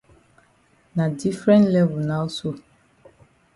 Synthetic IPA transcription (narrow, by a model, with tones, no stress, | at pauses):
na˨di˦fɾɛ̃˦ntlɛ˦vu˨na˦u˦so˦